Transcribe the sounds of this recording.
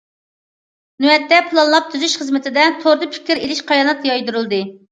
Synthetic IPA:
nyɛt̪ːɛpʰɨlˠɑnlˠɑp̚t̪ʰyzyʃχəzmɪt̪ʰɪd̪ɛt̪ʰoɾd̪ɨpʰɪ̥kʲʰiɾelɪʃqʰɑjɑnɑt̪jɑjd̪uɾɨlˠd̪ɨ

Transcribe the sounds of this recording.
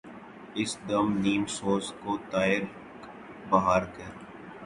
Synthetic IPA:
ɪsd̪ɐmniːmsoːskot̪aːɪɾ | bɐɦaːɾkɐɾ

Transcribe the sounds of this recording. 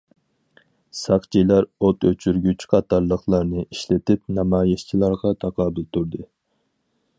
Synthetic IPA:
sɑqt͡ʃʰijlˠɑɾot̪ʰøt͡ʃʰyɾɡʲyt͡ʃqʰɑt̪ɑɾlˠəχlˠɑɾnɨiʃlɪt̪ɪp̚nɑmɑːjist͡ʃʰilˠɑɾʁɑt̪ʰɑqʰɑːbɨlt̪ʰuɾd̪ɨ

